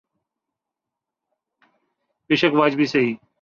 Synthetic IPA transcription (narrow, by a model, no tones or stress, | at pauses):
pɪʃəkʋaːd͡ʒbʱiːsəɦiː